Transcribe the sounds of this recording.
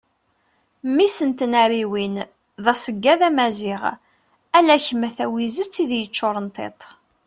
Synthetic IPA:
mːisənt̪ənæɾiwin | ðɑsəɡːæðæmæzɪʁ | ælæçmæθæwizət͡sːiðjət͡ʃːoɾˤənt̪ˤḛt̪ˤ

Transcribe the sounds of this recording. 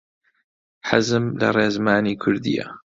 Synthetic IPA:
ħazɨmla̰ɾˤeːzmaːniːkʰʊɾd̪ḭja̰

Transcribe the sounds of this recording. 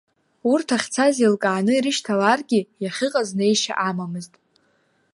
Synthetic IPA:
urtʰaχʲt͡sʰazilkʼaːnɨiɾɨʃtʰalarɡʲijaχʲɪqʼaznejʃa̰ʔamamɨztʼ

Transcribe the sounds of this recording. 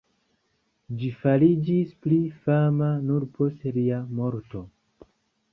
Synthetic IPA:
d͡ʒifalid͡ʒisplifamanuɾpʰo̞stliamo̞ɾto̞

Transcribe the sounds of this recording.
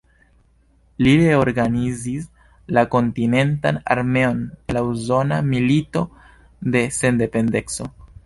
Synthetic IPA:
liɾeoɾɡanizis | lako̞ntine̞ntana̰ɾme̞o̞nlauzo̞namilito̞ | de̞se̞nde̞pe̞nde̞kso̞

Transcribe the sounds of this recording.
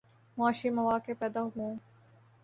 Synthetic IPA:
mʊaːʃimɐʋaːkepɛːd̪aːɦɦũː

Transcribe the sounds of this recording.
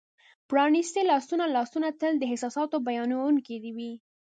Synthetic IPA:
pɾɑnist̪elɑsunalɑsunat̪əld̪əɦɪsɑsɑt̪obajɑnawuŋked̪iwi

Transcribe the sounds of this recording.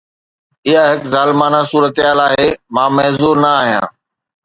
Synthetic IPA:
ɪɦaɦɪkzaːlɪmaːnasuːɾət̪ijaːlaːɦeːmãːmɐɦzuːɾnɐaːɦijã̰ː

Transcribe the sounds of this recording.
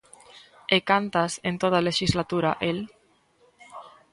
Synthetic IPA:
ekant̪asent̪oð̞aleʃizlat̪uɾaʔel

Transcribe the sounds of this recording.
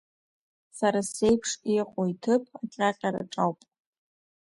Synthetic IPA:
saɾasejpʰʂiqʷʼojtʰɨpʰʼat͡ʃʲʼaqʲʼaɾa̰ʈ͡ʂʼawpʼ

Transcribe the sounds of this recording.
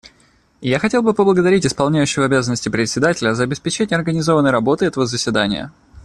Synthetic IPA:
jaxɐtʲe̞lˠbɨpəblˠəɡəd̪ɐɾʲitʲɪspɐlˠnʲæjʉɕːɪvəɐbʲazənːəsʲtʲɪpɾʲɪt̪sʲɪd̪atʲɪlʲəzəɐbʲɪspʲɪt͡ɕenʲɪɐrɡənʲɪzo̞vənəjɾɐbo̞t̪ɨɛt̪əvəzəsʲvʲɪd̪anʲɪ̰jə̰

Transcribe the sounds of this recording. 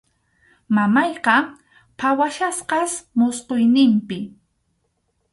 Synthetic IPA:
mamɑjqɑ | pʰawaʃasqɑsmʊsqojnɪmpɪ

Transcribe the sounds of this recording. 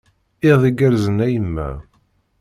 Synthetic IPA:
ɪðˤiɡæɾzənæjəmːæ̰

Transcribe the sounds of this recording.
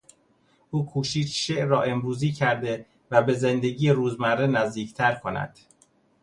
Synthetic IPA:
ʔuːkʰuːʃiːt͡ʃʃeʔrɒːʔe̞mɾuːziːcʰæɾd̪e̞ | væbe̞zend̪e̞ɟiːjeɾuːzmærːenæzd̪iːct̪ʰæɾkʰo̞næ̰d̪̥

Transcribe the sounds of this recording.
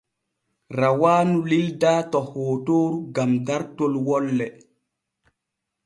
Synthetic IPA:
ɾawaːnulildaːtɔhoːtoːɾuɡamdaɾtolwɔlːɛ

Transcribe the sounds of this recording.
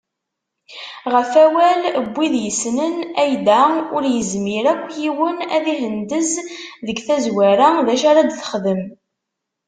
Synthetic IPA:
ʁəfæwæləbʷːiðjəsnənæjd̪æʊɾjəzmiɾækʷːjiwənæðiɦənd̪əzðəɡθæzwæɾæðæʃaɾad̪θə̥χðəm

